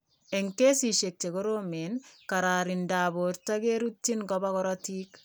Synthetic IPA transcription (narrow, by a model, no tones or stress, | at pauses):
eŋkesiʃek̚t͡ʃekoɾomenkaɾaɾindaːboɾtakeɾutːinkɔbakɔɾɔtiːk